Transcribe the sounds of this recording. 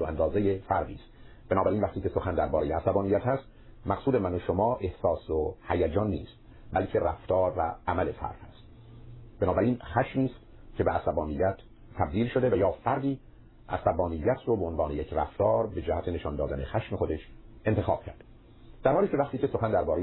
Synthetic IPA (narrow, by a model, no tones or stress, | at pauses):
oæ̰nd̪ɒːzejefæɾd̪iːst̪ | b̥enɒːbæɾiːnvæχt̪iːcʰesoxænd̪æɾbɒːɾejeæsæbɒːnijːæt̪hæst̪ | mæqsuːd̪emænoʃomɒːʔe̞hsɒːsohæjæd͡ʒɒːnːḭːst̪ | bælcʰe̞ræ̰ft̪ɒːɾvæ̰ːmæle̞sæ̰ɾfæ̰st̪ | b̥enɒːbæɾiːnxæʃmiːst̪ | cʲʰe̞beʔæsæbɒːnijːæt̪ːʰ | æb̚d̪iːlʃod̪e̞væjɒːfæɾd̪iː | ʔæ̰sæbɒːnijːæt̪ʰɾobeonvɑːne̞jekʰræ̰ft̪ʰɒːɾbe̞d͡ʒæhæt̪ʰe̞ne̞ʃɒnd̪ɒːd̪æne̞xæʃme̞xod̪e̞ʃʔent̪ʰexɒ̰ːb̥cʰæ̰ɾd̪e | d̪̥æɾhɑːliːcʰʲe̞væχt̪iːcesoxænd̪æɾbɒːɾe